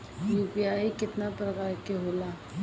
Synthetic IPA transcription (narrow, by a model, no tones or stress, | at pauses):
juːpiaːikɪt̪napɾɐkaːɾkeɦoːlaː